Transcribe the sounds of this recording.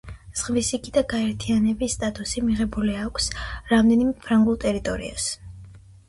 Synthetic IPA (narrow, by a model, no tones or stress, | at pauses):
z̥ʁvisikʼid̪aɡaɛɾt̪ʰianɛbisːt̪ʼat̪ʼusimiʁɛbuliakʷʰsɾamd̪ɛnimɛpʰɾaŋɡulˠt̪ʼɛɾit̪ʼɔɾḭa̰s